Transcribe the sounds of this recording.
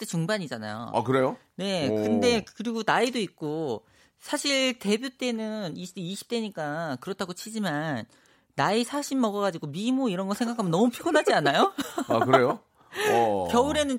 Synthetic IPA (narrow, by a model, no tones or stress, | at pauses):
t͈et͡ɕuŋbaɲid͡ʑana̰jo̰a̰kɯɾe̞jone̞kɯnde̞kkɯɾiɡonaidoik̚k͈o | sʰaɕʰiɭte̞bjot͈e̞nɯniiɕʰi̥p̚t͈e̞ɲik͈akɯɾʌtʰaɡot͡ɕʰid͡ʑimanː | aisʰaɕʰinːʌɡʌɡad͡ʑiɡomimoiɾʌnɡʌsʰeŋɡakʰamjʌnːʌmupʰjoɡonɦad͡ʑianajoakɯɾe̞jo | kjʌuɾe̞nɯn